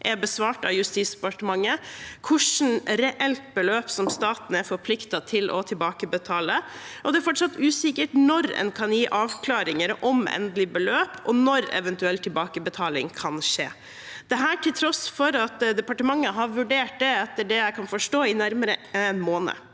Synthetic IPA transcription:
ʔɛɾbəsʋɑːʈɑ̰ʋjʉst̪iːsd̪ɛpɑʈəmɑŋːəkʰʊʂn̩ɾɛʔɛlt̪̚bəløːpsɔmst̪ɑːt̪n̩ɛɾfɔɾpʰlɪkt̪ɑt̪ʰɪlʔɔ̰t̪ʰɪlbɑːkəbət̪ʰɑːləʔɔd̪ɛæɾfɔʈʂɑt̪ːʉːsɪkəʈnɔɾɛ̰nkʰɑnjiːʔɑːʋkʰlɑːɾɪŋəɾɔmɛ̰nd̪lɪbəløːpʰɔ̰nɔɾɛ̰ʋɛnt̪ʉɛlt̪ʰːɪlbɑːkəbət̪ʰɑːlɪŋkʰɑnʂḛː | d̪̥ɛɦæːʈʰɪlt̪ʰɾɔsfɔɾɑt̪d̪ɛpɑʈəmɑŋːəɦɑɾʋʉɖeːʈ̚d̪ɛɛt̪ːəɖɛjæɪkʰɑnfɔʂʈoːɪnæɾməɾəɛnmoːnə̰

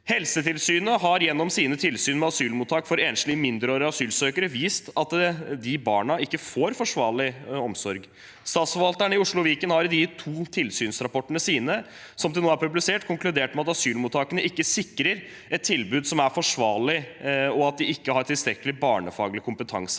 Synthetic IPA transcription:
hɛlsət̪ʰɪlsyːnəɦɑɾjɛnːɔmsiːnət̪ʰɪlsyːnmɛɑsyːlmuːt̪ʰːɑːkfɔɾeːnslɪmɪnd̪ɾəøːɾəɑsyːlsøːkəɾəʋiːst̪ɑt̪d̪ɪbɑ̰ːɳɑɪkːəfoːɾfɔʂʋɑːɭɪɔmsɔɾɡ | st̪ɑːt̪sfɔɾʋɑlt̪əɳəɪʊʂɭʊʋiːkənhɑɾd̪ɪt̪ʰuːt̪ʰɪlsyːnsɾɑpɔʈːəɳəsiːnə | sɔmd̪ɛnoːæɾpʉblɪseːʈkʰʊŋklʉd̪eːʈmɛɑt̪ɑsyːlmʊːt̪ʰːɑːkənəʔɪkːəsɪkːɾəɾ | ʔɛt̪ʰːɪlbʉːd̪sɔmæɾfɔʂʋɑːɭɪɔɑt̪̚d̪ɪɪkːəhɑɾʈʰɪlst̪ɾɛkːəlɪbɑːɳəfɑːɡlɪkʰʊmpət̪ʰɑ̰ŋsə̥

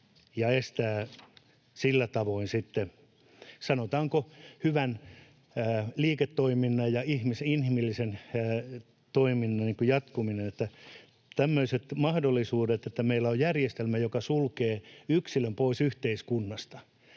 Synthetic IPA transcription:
jɑest̪æː | silːæt̪ɑʋoinsit̪ːe | sɑnot̪ɑːŋkohyʋænː | liːket̪ːoiminːɑjjɑihmiseinhimilːisenː | t̪oiminːɑnniŋkujɑt̪kuminenet̪ːæ | t̪æmːøiset̪mɑhdolːisuːdet̪et̪ːæmeilːæojjærjest̪elmæjokɑsulkeːyksilømpoisyht̪eiskunːɑst̪ɑ̥

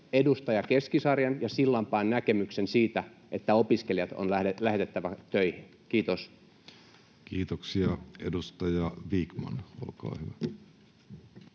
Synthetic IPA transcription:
edust̪ɑjɑkeskisɑrjɑnjɑsilːɑmpɑːnnækemyksensiːt̪æ | ʔet̪ːæopiskeljɑt̪o̰næelæhe̞t̪et̪ːæʋæt̪øihin | kiːt̪os | kiːt̪oksiɑḛdust̪ɑjɑʋiːkmɑ̰no̰lkɑ̰ːhyʋæ

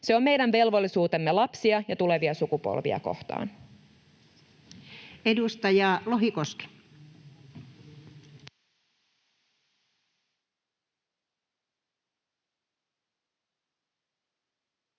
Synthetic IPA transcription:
se̞o̞mme̞jdænʋe̞lʋo̞lːisuːt̪e̞mːe̞lɑpsiɑjɑt̪ule̞ʋiɑsukupo̰lʋḭɑ̰ko̞̰ht̪ɑ̰ːn | edust̪ɑjɑːloɦikoski̥

